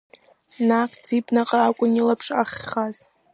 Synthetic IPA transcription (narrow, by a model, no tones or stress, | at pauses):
naχʲd͡zipʼnaqʼaːkʷʼʊnilapʰʂaχʲːaz